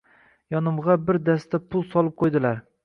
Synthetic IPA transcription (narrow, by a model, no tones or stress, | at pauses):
jɒnɪmʁɑbɪɾd̪ast̪apʰʊlˠsɒlˠɪp̚qʰojd̪ɪlaɾ